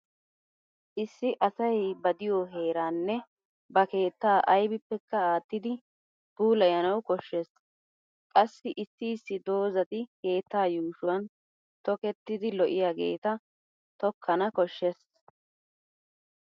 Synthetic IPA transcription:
ʔɪsːɪʔɐsɐjbɐd̪ɪjɔɦe̞ːɾaːnːɛ | bɐke̞ːt̪ːaːʔɐjbɪpːɛkːɐaːt̪ːɪd̪ɪ | b̥uːlɐjɐnɐwkɔʃːɛs | kʼɐsːɪʔɪsːɪːsːɪd̪o̞ːzɐt̪ɪke̞ːt̪ːaːjuːʃʊwɐn | t̪ɔkɛt̪ːɪd̪ɪlɔʔɪjaːɡe̞̰ːt̪ɐ | t̪ɔkʰːɐnɐkɔʃːɛs

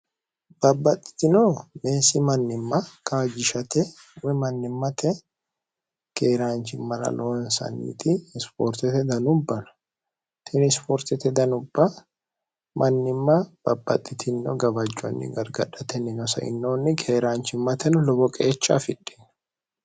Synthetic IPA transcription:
b̥ɐbːɐt̪ʼːɪ̥t̪ɪnome̞ːsɪmɐnːɪmːɐkaːd͡ʒɪʃɐt̪ɛ | wɛmɐnːɪmːɐt̪ʰɛ | ke̞ːɾaːnt͡ʃɪmːɐɾɐ̰loːnsɐ̰nːḭːt̪ɪːspoːɾt̪ɛt̪ɛd̪ɐnʊbːɐnɐ̥ | t̪ʰɛnspoːɾt̪ɛt̪ɛd̪ɐnʊbːɐ | mʔɐnːɪmːɐb̥ɐbːɐ̰t̪ʼːɪt̪ʰɪnːɔɡɐbɐd͡ʒːɔ̰nːɪ̰ɡɐɾɡɐᶑɐt̪ɛnːɪnɔsɐ̰ʔɪ̰nːoːnːɪkʰeːɾaːnt͡ʃɪmːɐt̪ɛnɔlɔbɔkʼeːt͡ʃːa̰fɪᶑːɪn

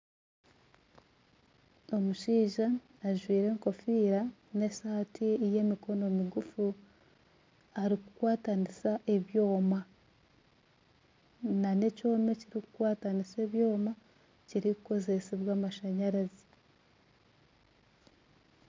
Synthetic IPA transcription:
o̞muʃiːʒaː | ʒwiːɾe̞ːŋko̞fiːɾa | ne̞saːtʰiije̞miko̞no̞miɡufu | aɾiku̥kwaːtanisaʔe̞βjo̞ːma | nane̞co̞ːme̞ciɾikukwaːtanise̞ːβjo̞ːma | ciɾikuko̞ze̞siβwaːmaʃaɲaɾazi

